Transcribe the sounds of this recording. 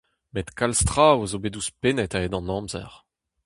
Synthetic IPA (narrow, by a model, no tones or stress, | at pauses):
met̪kalst̪ʁaozobed̪uspenɛtaedɑ̃nɑ̃mzɛ̰ʁ